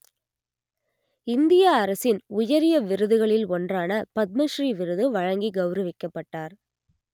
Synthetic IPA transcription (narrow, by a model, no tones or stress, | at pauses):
ɪnd̪ɪjaːɾɐsɪnʊjɐɾɪjɐʋɪɾɯðɯɣɐɭɪlɔndraːnɐpɐt̪̚mɐʂɾiːʋɪɾɯðɯʋɐɻɐŋɡiɡɐʊɾɐʋɪkːɐpːɐʈːaːɾ